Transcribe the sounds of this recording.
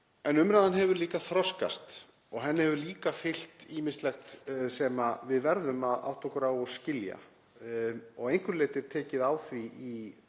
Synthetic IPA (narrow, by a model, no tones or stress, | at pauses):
ɛnʏmɾaːðanɦɛvʏɾliːkaθɾɔska̰st̪ | ɔɣɦɛnːɪhɛvʏɾliːkafɪl̥t̪iːmɪnst̪lɛxt̪sɛmavɪðvɛɾðʏmaða̰wht̪ʰɔkʏɾawɔscɪlja̰ | ɔɣejŋ̥kʏɾleːt̪ɪɾ̥t̪ʰɛːcɪðaːwθvii